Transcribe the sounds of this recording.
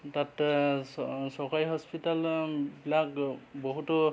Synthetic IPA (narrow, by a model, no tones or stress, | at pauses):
tat | sɔkajɦɔspitalbilakboɦutɔ